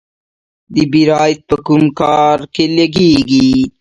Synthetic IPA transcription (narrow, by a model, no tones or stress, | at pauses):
d̪ibiɾaːjt̪̚pɐkumkaːɾkelɐɡiːɡi